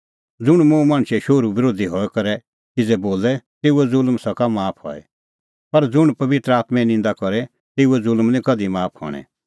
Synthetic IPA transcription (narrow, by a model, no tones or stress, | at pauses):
d͡zʊɽ̃mũmãːɳ̃ʃɛʃoɾubɪɾoːd̪ʱiɦɔːɛkɐɾɛ | t̪ɪd͡zɛboːlɛt̪eːuɛd͡zʊlmsɐkamaːpʰhɔ̰ːɛ̰ | pɐɾd͡zʊɽ̃pɐʋɪt̪ɾəaːt̪mɛ̃nɪ̃nd̪akɔɾɛ | t̪eːuɛd͡zʊlmnĩkɐd̪imaːpʰhɔ̰ɽ̃ɛ̰̃